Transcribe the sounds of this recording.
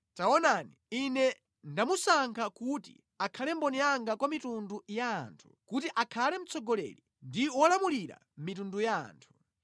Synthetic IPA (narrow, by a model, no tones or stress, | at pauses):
taɔnaniinɛ | ndamusaŋkʰakutḭ | akʰalɛmbɔniaŋɡakwamitundujaːntʰu̥kutiʔakʰalɛm̩t͡sʰɔɡɔlɛ̰ɾi | ndiwɔlamuliɾa̰ | m̩mitunduja̰ːntʰu̥